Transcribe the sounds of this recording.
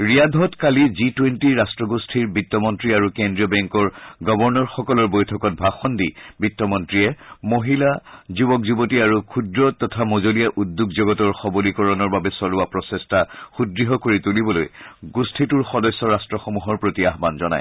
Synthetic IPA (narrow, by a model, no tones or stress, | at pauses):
ɹijadʱɔtkalizitwentiɹastɹɔɡostʰiɹbitːɔmɔntɹiaɹukendɹiɔbɛŋkɔɹɡɔbɔɹnɔɹxɔkɔlɔɹbojtʰɔkɔt̚bʱaxɔndibitːɔmɔntɹiɛmoɦilazubɔk̚zubotiaɹukʰudɹɔtɔtʰamozolijaʔudːukzoɡɔtɔɹxɔbolikɔɹɔnɔɹbabɛsɔlʊapɹɔsestʰaxudɹiɦɔkoɹitulibɔlo̰jɡustʰituɹxɔdɔsːɔɹastɹɔxomuɦɔɹpɹotiaɦbanzɔna̰j